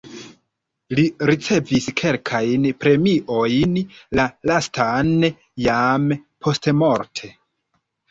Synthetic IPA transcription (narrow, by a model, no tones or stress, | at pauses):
liɾit͡se̞viskʰe̞lkʰajnpɾe̞miʔo̞jnlalastʰan | jampʰo̞stemo̞ɾtʰe̞